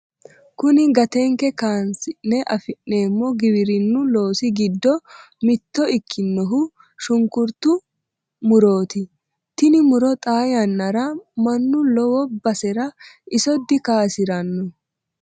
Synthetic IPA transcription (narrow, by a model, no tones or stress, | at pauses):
kʊnɪɡɐt̪ɛŋkɛkaːnsɪnːɛʔɐfɪnːe̞ːmːɔɡɪβɪɾɪnːʊlo̞ːsɪɡɪd̪ːɔ | mɪt̪ːɔɪkʰːɪnːɔɦʊ | ʃʊŋkʊɾt̪ːʊ | mʊɾo̞ːt̪ɪ | t̪ɪnɪmʊɾɔt̪ʼaːjɐnːɐɾɐmɐnːʊlɔwɔbɐsɛɾɐʔɪsɔd̪ːɪkaːsɪɾɐnːɔ